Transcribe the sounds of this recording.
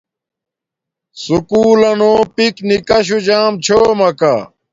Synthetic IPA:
sukuːlɐnoːpiknikɐɕ̬ud͡ʑaːmt͡ɕʰoːmɐka̰

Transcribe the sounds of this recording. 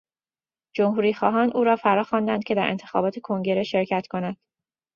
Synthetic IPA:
d͡ʒo̞mhuːɾiːxɒːɦɒːnʔuːɾɒːfæɾɒːxɒːnd̪ænd̪̚cʰe̞d̪æɾʔent̪ʰe̞̥xɒ̰ːbɒːt̪ʰe̞kʰo̞ŋɟe̞ɾe̞ʃe̞ɾcʰæt̪kʰo̞nænd̪̥

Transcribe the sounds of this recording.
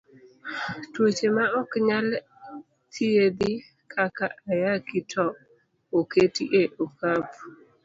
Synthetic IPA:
twot͡ʃemaɔkɲal | t̪ʰied̪ɪ | kʰakaʔajakɪtʰɔ | oketḭʔeʔokap

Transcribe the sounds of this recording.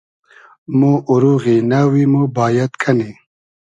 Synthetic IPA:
muʔuɾuɣinawimubaːjɐt̪kʰɐni

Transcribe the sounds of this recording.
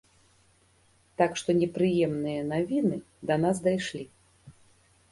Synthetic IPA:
t̪akʂt̪ɔnʲɛpɾɨjɛmnɨjɐnavʲinɨ | d̪ɐnasd̪ajʂlʲi

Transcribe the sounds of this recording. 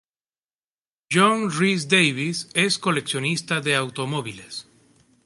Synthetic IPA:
ʒoŋris̬d̪ejβise̞skole̞ksjo̞nist̪aðeawt̪omoβiles

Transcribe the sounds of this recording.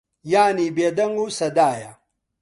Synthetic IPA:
jaːnibed̪ɐŋɡusɐd̪aːja

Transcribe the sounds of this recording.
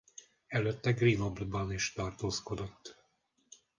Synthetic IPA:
ɛløt̪ːɛɡrinoblbɒniʃt̪ɒrt̪oːsko̞d̪o̞t̪ː

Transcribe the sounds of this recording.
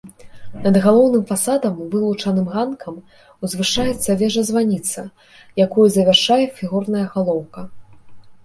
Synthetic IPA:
nɐd̪ɣalˠɔwnɨmfasad̪ɐmvɨlˠut͡ʂɐnɨmɣankʰɐm | uzvɨʂajɛt̪sːɐvʲɛʐɐzvanʲit̪sɐ̰ | jakujuzɐvʲarʂajɛfʲiɣurnɐjɐɣalˠɔwkɐ

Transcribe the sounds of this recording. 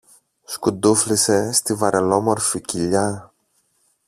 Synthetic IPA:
skud̪uflise̞st̪ivɐɾʔelo̞mo̞ɾficiʎɐ

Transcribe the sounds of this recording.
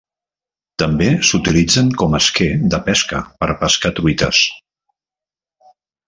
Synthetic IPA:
t̪əmbesut̪ilid͡zəŋkɔməsked̪əpɛskəpəɾpəskat̪ɾuit̪ə̰s

